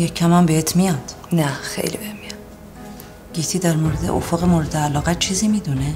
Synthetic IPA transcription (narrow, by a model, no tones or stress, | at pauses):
jecʰːæmæmbeet̪ʰmijɒd̪̥ | næxḛjlḭbemːijɑ | ɡ̥it̪ʰiːd̪æɾmoɾed̪ḛʔo̰foɣemoːɾed̪eælɒːɣæt͡ʃʰiːziːmiːd̪une